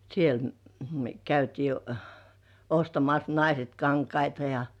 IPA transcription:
siel my̆ø kæytiː ostɑmɑs nɑiset kɑŋkɑitɑ jɑ

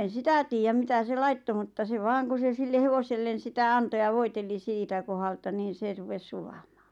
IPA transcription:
en̞ sitæ tiːjæm mitæ se lɑitːo mutːɑ se ʋɑːŋ ku se silːe heʋoselːen̞ sitæ ɑnto jɑ ʋoiteli siːtæ kohɑltɑ niːn̞ se rupes sulɑmɑ̥ː

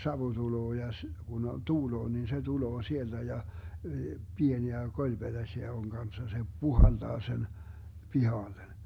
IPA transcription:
sɑʋu tuloː jɑ s ɡ̊un o tuːloː nin se tuloː sield̥æ jɑ pieniæ kolʲb̥ed̥æsʲiæ oŋ ɡ̊ɑnsːɑ se puhɑld̥ɑː sen pihɑlːen

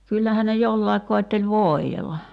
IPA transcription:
kylːæhæ ne jolːɑek koetːelʲ ʋoˑi̞jelːɑ

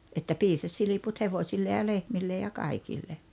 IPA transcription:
etːæ piːsɑs siliput heʋosʲilːe jɑ lehmilːe jɑ kɑikilːe

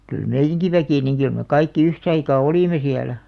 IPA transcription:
kyl meijːæŋki ʋækiˑ niŋ kyl me kɑikːi yhtɑikɑː oliˑme siælæ

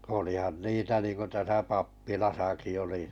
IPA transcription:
olihɑn niːtæ niːŋko tæsæ pɑpːilɑsɑki oli

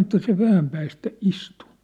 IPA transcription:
ĕtːæ se ʋæhæm pæːstæ istu

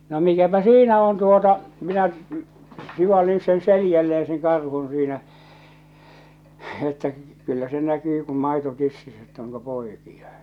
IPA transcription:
no mikæpæ siːnæ on tuotɑ minæ siʋɑlːin sen selijælːeːẽ seŋ kɑrhun̞ siːnæ etːæ kylːæ se nækyː kum mɑito tisːisː etː oŋko poikij̆ɑ

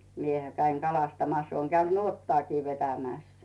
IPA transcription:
miehæ kæiŋ kɑlɑstɑmɑs oːŋ kæynd̥ nuotːŏɑːkiː ʋetæmæˑs

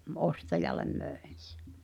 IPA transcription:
ʔostɑjɑlˑem møˑen̞ se̥

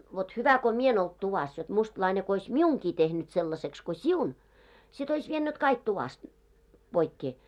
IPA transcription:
ʋot hyʋæ ko mie en olt tuʋɑs jot mustlɑine ko ois miuŋki tehnyt selːɑseks ko siun sit ois ʋienːyt kɑik tuʋɑst b̥oikːeː

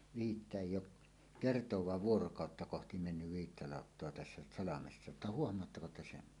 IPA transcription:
ʋiːtːæ eˑijˑ oʔ kertowɑːʋ ʋuorokɑˑotːɑ kohti menːyʋ ʋiːtːæ lɑˑotːoɑ tæsːæ sɑlɑmesːɑ ə̆tːæ huohmˑoɑtːɑko te sen

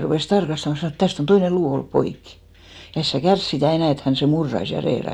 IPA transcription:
rupeˑs tɑrkɑstɑmɑ sɑnoˑ et tæst on toine luː olːup poikːi jɑ es sæ kærs sitæˑ enæˑ et hæn seˑ murːɑis jɑ reːrɑis

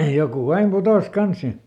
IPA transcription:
jokuˑ ɑim putoˑs kɑns sin

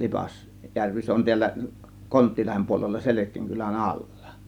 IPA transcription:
jærʋi se on tiælːæ kontːiːlɑhem puolelːɑ selekˑiːŋ kylæn ɑlːɑ̥

